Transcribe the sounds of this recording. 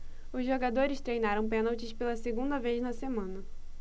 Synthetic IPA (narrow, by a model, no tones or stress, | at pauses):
ʊzʒoɡad̪oɾɪst̪ɾejnaɾɐ̃w̃pẽnɐwt͡ʃɪʃpelɐseɡũnd̪ɐvejznɐsemɐ̃nɐ